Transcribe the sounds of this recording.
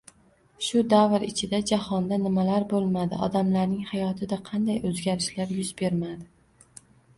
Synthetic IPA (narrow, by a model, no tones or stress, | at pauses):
ʃʊd̪avɾɪt͡ʃʰɪd̪ad͡ʒahɒnd̪anɪmalaɾbolˠmad̪ɪ̰ʔɒ̰d̪amlaɾnɪŋhajɒt̪ʰɪd̪aqʰɑnd̪ajɵzɡʲaɾɪʃlaɾjʊzbe̞ɾmad̪ɪ